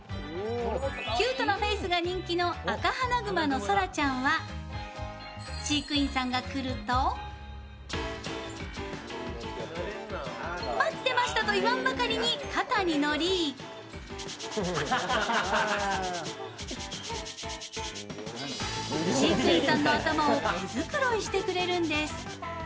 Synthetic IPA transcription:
kʲɨːt̪o̞no̞ɸe̞ːsɨɡaɲ̟ĩŋkʲino̞akahanaɡɯ̟mano̞so̞ɾat͡ɕãɰ̃βa | ɕiːkɯ̟ĩɰ̃sãŋɡakɯ̟ɾɯ̟t̪o | mat͡sɨ̥t̪e̞maɕi̥t̪at̪o̞iβãmbakaɾʲiɲ̟ikat̪aɲ̟ino̞ɾʲi | ɕiːkɯ̟ĩsãnːo̞at̪amaozɨkɯ̟ɾo̞iɕi̥t̪e̞kɯ̟ɾe̞ɾɯ̟̃nd̪e̞sɨ̥

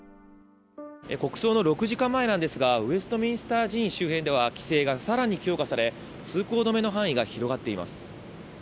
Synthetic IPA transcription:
eko̞kɯ̟̥so̞ːnoɾo̞kɯ̟ʑikãmːae̞nãnd̪e̞sɨɡaɯ̟e̞sɨ̥t̪o̞mʲĩɰ̃sɨ̥t̪aːʑĩɰ̃ɕɨːɦẽ̞nd̪e̞β̞akʲi̥se̞ːɡasaɾaɲ̟ikʲo̞ːkasaɾe̞ | t͡sɨːko̞ːd̪o̞me̞no̞ɦãɰ̃iɡaçiɾo̞ɡat̪ːe̞ima̰sɨ̥

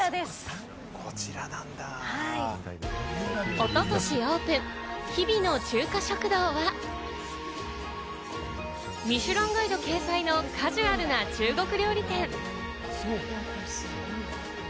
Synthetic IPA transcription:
ad̪e̞sɨ̥ | kʰot͡ɕiɾanãnd̪ahai | o̞t̪o̞t̪o̞ɕioːpɯ̟̃ŋçibʲino̞t͡ɕɨːkaɕo̞kɯ̟d̪o̞ːβa | mʲiɕɨɾõ̞ŋɡoid̪o̞ke̞ːsaino̞kʰaʑiβaɾɯ̟nat͡ɕɨːɡo̞kɯ̟ɾʲo̞ːɾʲit̪ẽ̞ŋ

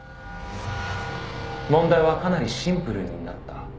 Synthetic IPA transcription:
mõ̞nd̪aiβakanaɾʲiɕĩmpɯ̟ɾɯ̟ɲ̟inat̪ːa

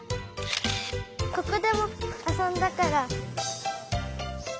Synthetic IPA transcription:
kokɯd̪e̞moasõnd̪akaɾa

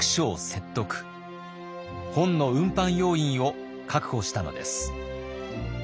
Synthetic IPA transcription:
kɯ̥ɕo̞ːse̞t̪ːo̞kɯ̥ | hõ̞nno̞ɯ̟̃mpãɰ̃jo̞ːĩɰ̃o̞ | kʰakɯ̟ho̞ɕi̥t̪ano̞̰d̪e̞̰sɨ̥

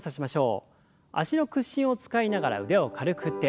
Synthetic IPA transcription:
saɕimaɕo̞ː | a̰ɕino̞kɯ̟ɕːĩɰ̃o̞t͡sɨ̥kainaɡaɾa̰ɯ̟ɾe̞o̞kʰaɾɯ̟kɯ̟t̪ːe

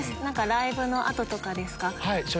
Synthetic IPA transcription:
snãŋkaɾaibɯ̟no̞ʔat̪o̞t̪o̞kad̪e̞sɨ̥kahaiso

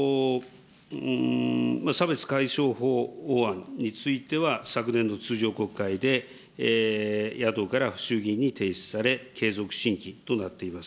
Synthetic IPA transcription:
masabe̞t͡sɨ̥kaiɕo̞ːɦo̞ːoãnɲːit͡sɨit̪e̞βasakɯ̟nẽ̞nːo̞t͡sɨːʑo̞ːko̞kːaid̪e̞ | jat̪o̞ːkaɾaɸɯ̟̥ɕɨːɡʲĩɲ̟ːit̪e̞ːsɨ̥saɾe̞kʰe̞ːzo̞kɯ̟̥ɕĩŋkʲit̪o̞nat̪ːe̞imas

